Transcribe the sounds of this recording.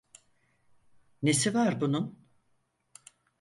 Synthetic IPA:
ne̞sivaɾbunun

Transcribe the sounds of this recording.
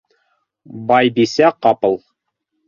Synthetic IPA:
bɑjbisæqɑpɤ̆lˠ

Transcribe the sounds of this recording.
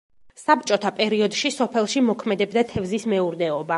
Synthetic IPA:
sap̚t͡ʃʼɔt̪ʰapʼɛɾiɔd̪ʃisɔpʰɛlˠʃimɔkʰmɛd̪ɛbd̪at̪ʰɛvzismɛuɾd̪ɛɔba

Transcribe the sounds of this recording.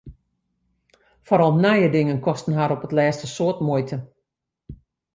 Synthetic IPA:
fɔɾɔlˠnajədɪŋənkɔstən̩ɦaɾɔpətlɛːstəsoətmojtʰə

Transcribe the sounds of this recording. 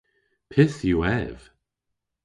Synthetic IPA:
pʰɪθjuɛv̥

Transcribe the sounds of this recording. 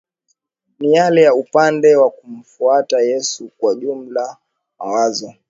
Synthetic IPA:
nijalɛjaupandɛwakum̩fuatajɛsukwaʄum̩la | ma̰wazɔ

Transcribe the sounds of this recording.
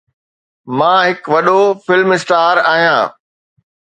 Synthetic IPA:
mãːɦɪkʋɐɗofɪlmɪsʈaːɾaːɦijãː

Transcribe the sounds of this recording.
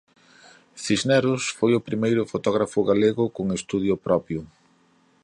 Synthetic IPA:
θiznɛɾʊsfojʊpɾimejɾʊfot̪ɔɣɾafʊɣaleɣʊkoŋest̪uð̞jʊpɾɔpjʊ

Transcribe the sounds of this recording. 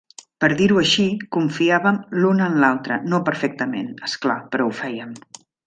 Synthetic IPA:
pəɾðiɾuəʃikuɱfiaβəmlunənlalˠt̪ɾənopəɾfɛk̚t̪əmḛnəsklapəɾɔufɛjəm

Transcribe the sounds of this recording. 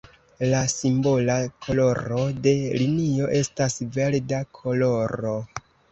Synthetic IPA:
lasimbo̞lakʰo̞lo̞ɾo̞de̞linio̞ʔe̞stasve̞ldakʰo̞lo̞ɾo̞

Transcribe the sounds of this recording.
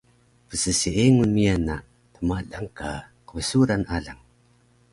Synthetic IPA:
pəsəsiʔeŋunmijana | təmadaŋkaqəvəsuɾanaɮaŋ

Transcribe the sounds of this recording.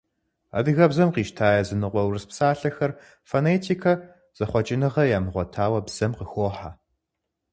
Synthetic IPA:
a̰dɨɣɐbzɐmqiːʃtʰaːjɐzɨnɨqʷɔwrɨspsaːɬɐxɐr | fonetʰiːkʰɐ | z̥ɐχʷɔt͡ʃʼɪnɨʁɐjaːmɨʁʷɔtʰaːwɐbz̥ɐmqəxoːħa

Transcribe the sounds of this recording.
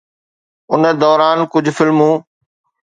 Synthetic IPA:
ʊnd̪ɔːɾaːnkʊd͡ʑʱfɪlmũː

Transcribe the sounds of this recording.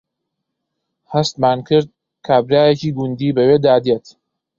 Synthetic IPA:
hɐst̪maːnkʰɨɾd̪̚ | kʰaːbɾaːjeciːɡʊnd̪iːbɐweːd̪aːd̪eːt̪

